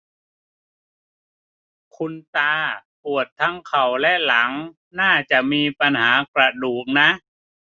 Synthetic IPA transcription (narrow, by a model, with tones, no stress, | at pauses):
kʰu˧nt̪aː˧pu˨˩ət̪ʰːa˦˥ŋkʰa˨˩wlɛ˦˥ʔla˩˦ŋ | naː˥˩t͡ɕa˨˩ʔmiː˧pa˧nɦaː˩˦kɾa˧duː˨˩k̚na˦˥ʔ